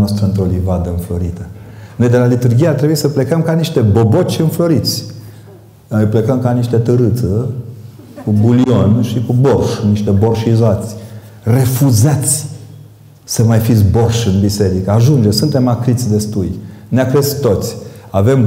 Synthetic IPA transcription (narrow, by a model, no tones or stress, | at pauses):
ast̪ɾəɨnt̪ɾolivad̪əɨnflo̞ɾit̪əno̞jd̪e̞lalit̪urɡʲijart̪ɾebuisəple̞kəmkaniʃt̪e̞bobo̞t͡ʃʲɨnflo̞ɾit̪sʲ | nojplekəmkaniʃt̪et̪əɾɨt̪sə | kubulio̞nʃikubo̞rʃniʃt̪e̞bo̞rʃizoat̪sʲ | re̞fuzat̪sʲ | səmajfisborʃɨnbise̞ɾikəaʒund͡ʒesunt̪e̞makɾit̪sʲd̪e̞st̪ujneakɾest̪o̞t̪sʲave̞m